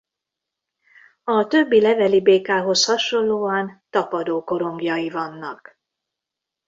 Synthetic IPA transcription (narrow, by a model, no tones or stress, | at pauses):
ɒt̪ø̞bːilɛvɛlibeːkaːɦo̞shɒʃo̞lloːɒnt̪ɒpɒd̪oːko̞ɾo̞ŋɡjɒjivɒnːɒk